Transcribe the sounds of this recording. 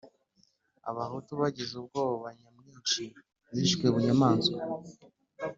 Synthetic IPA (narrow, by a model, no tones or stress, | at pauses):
a̰βahutuβaɟizub̚ɡoːβoβaɲamɲiːnʃi | ziʃkeβuɲamaːnso